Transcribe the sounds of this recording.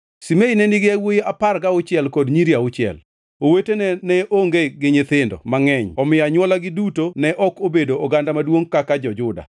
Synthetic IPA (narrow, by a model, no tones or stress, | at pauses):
simeinɛnɪɡɪawojeaparɡaʊt͡ʃɪɛlkɔdɲiɾiaʊt͡ʃɪɛ̰l | owetenɛnɛʔoŋɡeɡɪɲɪt̪ɪndɔ̰maŋɛɲɔmɪjaɲwɔlaɡɪdutonɛʔɔkobedoɔɡandamadwoŋkakad͡ʒɔd͡ʒʊda̰